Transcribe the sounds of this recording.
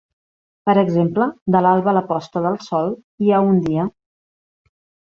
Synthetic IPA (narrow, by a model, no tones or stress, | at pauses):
pəɾəɡzempləd̪əlalˠβələpɔst̪əðəlˠsɔl | iaund̪iə